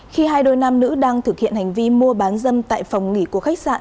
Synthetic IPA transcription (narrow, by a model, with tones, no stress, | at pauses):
xi˧ɦaː˧jɗo˧jna˧mnɨ̰˧˥ɗaː˧ŋt̪ʰɨ˨˩k̚hḭ˧˨ənha˨˩jŋ̟vi˧mu˧əɓaː˨˦nzə˧mt̪a̰ː˧˨jfa˨˩wŋ͡mŋi˧˩ku˧˩əxa˦˥k̚sa̰ː˧˨n